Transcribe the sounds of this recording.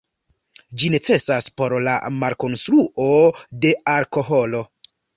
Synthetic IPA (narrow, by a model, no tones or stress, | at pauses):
d͡ʒine̞t͡se̞saspo̞ɾla̰maɾko̞nstɾuʔo̞de̞aɾko̞ɦo̞lo̞